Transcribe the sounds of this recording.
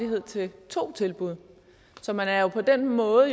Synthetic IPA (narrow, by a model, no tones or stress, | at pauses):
iɦe̝ð̞̰ˠt͡sʰe̝lt͡sʰo̝̰ːt͡sʰe̝lb̥uð̞ˠ | sɒ̽mænæɐjo̝pʰɒ̽d̥enmɔ̽ːð̩ˠ